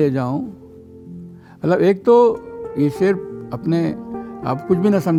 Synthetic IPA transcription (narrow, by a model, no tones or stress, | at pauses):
ed͡ʒaːõ | ɐt̪ləbeːk̚t̪ojeʃeɾɐpnea̰ːpkʊt͡ʃʰbʱinɐsɐ̃m